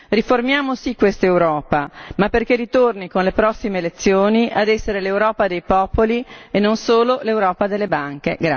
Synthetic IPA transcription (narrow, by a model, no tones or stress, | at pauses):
riformjaːmosikːwest̪ewɾɔːpamapːerkerːit̪ornikonlepɾɔsːimeːlet̪sːjoːniʔad̪ɛsːeɾelewɾɔːpad̪ejpɔːpolienːonsoːlolewɾɔːpad̪elːebaŋkḛɡɾa